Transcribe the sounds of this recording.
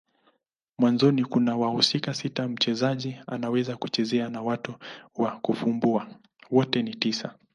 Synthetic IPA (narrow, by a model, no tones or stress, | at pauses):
mwanzɔnikunawahusikasitam̩t͡ʃɛzaʄia̰nawɛzakut͡ʃɛzɛanawatuwakufumbua | wɔtɛnitisa